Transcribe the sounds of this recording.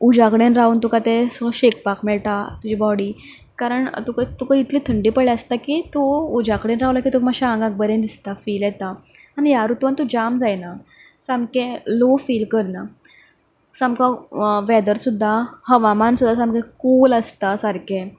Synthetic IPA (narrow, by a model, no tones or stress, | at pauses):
ud͡ʑakəɽenɾaunt̪ukat̪esɕekpakmɛɭʈat̪ud͡ʑibɔɽiː | kaɾəɳt̪ukat̪ukait̪ʰliːt̪ʰəɳɖipəɭɛəst̪akiːt̪oud͡ʑakɽenɾaʋlakit̪uməɕãŋɡãk̚bəɾẽnd̪ist̪afiːljɛt̪a | anijaɾut̪ʋant̪ud͡ʑamd͡zajna | sãmkẽlofiːlkəɾna | sãmkãʋɛd̪əɾsud̪ʱːahəʋamansud̪ʱːasamkẽkuləst̪asaɾkʰẽ